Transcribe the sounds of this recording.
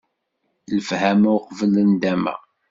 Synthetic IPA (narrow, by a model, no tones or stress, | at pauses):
ləfhæmæwqvələnd̪æmə̰